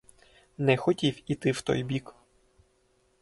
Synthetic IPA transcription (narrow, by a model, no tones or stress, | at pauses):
nɛxɔtʲiwit̪ɪwt̪ɔ̰jbʲik